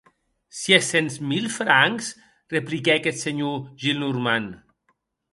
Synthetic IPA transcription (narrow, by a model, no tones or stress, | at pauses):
sjesenzmilˠfɾaŋks | replikɛakɛt̪seɲuʒilˠnuɾman